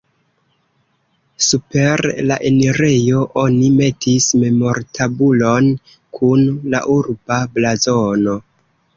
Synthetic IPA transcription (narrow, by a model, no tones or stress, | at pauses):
supe̞ɾlaʔe̞neɾe̞jo̞ʔo̞nime̞tʰisme̞mo̞ɾtʰabulo̞n | kʰunla̰ʔuɾbablazono̞